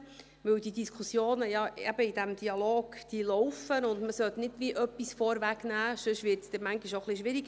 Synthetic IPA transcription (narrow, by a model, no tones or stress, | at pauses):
ʋɵwdidiskʰusjoːnəjɑɛb̥əid̥æmd̥iɑloːɡ̥d̥ilɔʊfənʊndməsœtnɪdʋiʔœpːisfɔɾʋæɡnæːsøʃʋɪɾtsd̥ɛmæŋɡiʃoχliʃʋɪɾiɡ